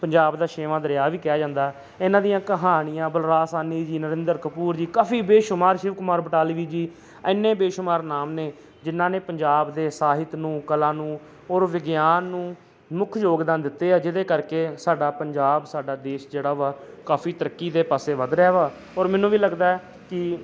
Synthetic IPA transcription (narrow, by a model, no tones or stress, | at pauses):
pəɲd͡ʒaːbd̪aːʃeːʋãːd̪əɾjaːʋiːkɪjaːd͡ʒãːnd̪aː | ɪnãːd̪ijãːkəɦaːnɪjãːbəlɾaːsaːniːd͡ʒiːnəɾɪ̃nd̪əɾkəpuːɾd͡ʒiːkaːfʰiːbeːʃʊmaːɾʃɪʋkʊmaːɾbəʈaːliʋiːd͡ʒiː | ɪnːeːbeːʃʊmaːɾnaːmneː | d͡ʒɪnːãːneːpəɲd͡ʒaːbd̪eːsaːɦɪt̪nũːkəlaːnũː | oːɾʋɪɡjaːnːũː | mʊkʰjoːɡd̪ãːnd̪ɪt̪ːeːaːd͡ʒɪd̪eːkəɾkeːsaːɖaːpəɲd͡ʒaːbsaːɖaːd̪eːʃd͡ʒeːɽaːʋaːkaːfʰiːt̪əɾəkːiːd̪eːpaːseːʋəd̪ɾaːʋaː | ɔːɾmɛːnũːʋiːləɡd̪aːɛ | kɪ